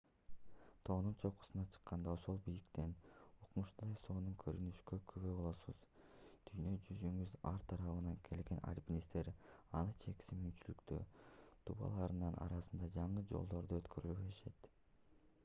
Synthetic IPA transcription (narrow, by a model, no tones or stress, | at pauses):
t̪ʰo̞ːnunt͡ʃʰo̞qu̥sɯnɑt͡ʃʰɯ̥qːɑnd̪ɑo̞ʃo̞lˠbijlikt̪e̞nuqmuʃt̪ɑjso̞ːnuŋkʰøɾynyʃkøkʰyβøbo̞lˠosuz̥d̪̥ʰyjnø̞d͡ʒyzyŋɡyzɑ̰ɾt̪ʰɑɾɑβɯnɑŋkʰe̞lɡe̞na̰lʲpʲinʲist̪e̞ɾɑnɯt͡ʃʰe̞ki̥simynt͡ʃylykt̪ø̰t̪ʰṵβɑ̰lˠɑːɾɯnɑnɑ̰ɾɑsɯnd̪ɑd͡ʒɑɴɯd͡ʒo̞̰lˠd̪o̞ɾd̪uøt̪kʰø̞ɾylyβøʃe̞t̪